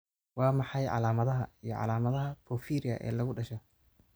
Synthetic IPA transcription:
wɑːmɑħɑjʕɑ̰laːmɐðɐɦɐijɞʕɑ̰laːmɐðɐɦɐpɔːfiːɾɪɐ̰ʔɛ̰ːlɐɣʊɖɐʃɔ

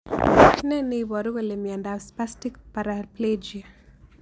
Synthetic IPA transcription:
nɛnɪβɔɾuɣelemjandaspastikpaɾapled͡ʒia

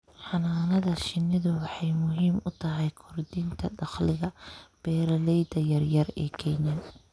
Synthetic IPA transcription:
ħɑnaːnɐðɐʃɪnːɪðʊwɑħɑjmʊɦiːmʊt̪ʰɐɦɛjkʰɔrd̪int̪ʰɐɖɑχlɪɣɐb̥ɛːɾɐlɛjd̪ɐjɐrjɐrɛ̰ːkʰɛnjɐ

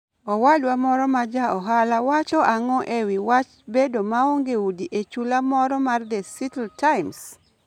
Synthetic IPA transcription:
ɔwadwamɔɾɔmad͡ʒaɔɦalawat͡ʃɔʔaŋɔʔewiwat͡ʃ | bedomaoŋɡeudiʔet͡ʃulamɔɾɔmard̪ɛsitltaɪms

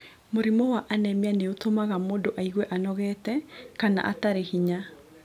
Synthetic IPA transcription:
moɾimɔwaʔanɛmeaneotomaɣamoːndoʔaiɣwɛʔanɔɣɛtɛkana̰ʔa̰taɾehiɲa

